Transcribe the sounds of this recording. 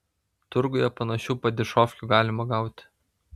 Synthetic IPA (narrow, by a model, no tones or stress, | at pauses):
t̪ʊɾɡojɛpɐnɐʃʲuːpɐd̪ʲɪʃoːfʲkʲuːɡɑːlʲɪmɐɡɑˑʊt̪ʲ